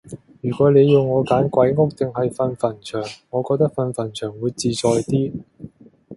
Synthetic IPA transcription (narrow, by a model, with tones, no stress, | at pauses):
jyː˨˩kʷɔː˨˥ne˨˧jːʊ˨wŋːɔː˨˧kaː˨˥nkʷɐ˨˥jŋʊ˥k̚t̪ɪ˨ŋhɐ˨jfɐ˨˧nfɐ˨˩nt͡ʃʰœː˨˩ŋːɔː˨˧kɔː˧k̚t̪ɐ˥k̚fɐ˨˧nfɐ˨˩nt͡ʃʰœː˨˩ŋwuː˨˧jt͡siː˨˧t͡sɔː˨˧jt̪iː˥